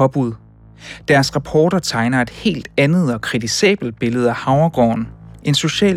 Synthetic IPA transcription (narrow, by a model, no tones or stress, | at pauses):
ɒ̽b̥uð̰ˠ | d̥æɐsʁɑ̈pʰɒːɾ̥ɐt͡sʰɑ̈ɪnɐe̝d̥he̝̰ːld̥ænð̞̩ˠɒ̽kʰʁit͡sʰisɛ̰ːb̥l̩d̥̚b̥e̝ləð̞̩ˠæhɑ̈ʊɐɡ̥ɒ̰ːne̝nso̝ɕɛ̰ː